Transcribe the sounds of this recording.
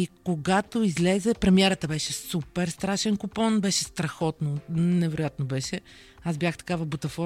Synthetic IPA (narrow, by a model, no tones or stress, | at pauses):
ikoɡat̪oizlɛzɛpɾɛmiɛɾət̪əbɛʃɛsupɛɾst̪ɾaʃɛnkʊpɔnbɛʃɛst̪ɾɐxɔt̪nonɛvɛɾoʊjat̪nobɛʃɛ | azbʲjaxt̪ɐ̥kavɐbut̪ɐfɔ